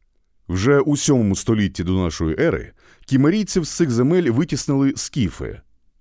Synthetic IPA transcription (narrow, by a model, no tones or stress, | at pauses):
wʒɛʔusʲɔmɔmʊst̪ɔlʲitʲːid̪ɔnɑʃɔjiʔɛɾɨ̰ | kʲimeɾʲij̪sʲiwst̪sɪɣzemɛlʲʋɪtʲisnɪlˠɪskʲifɪ̰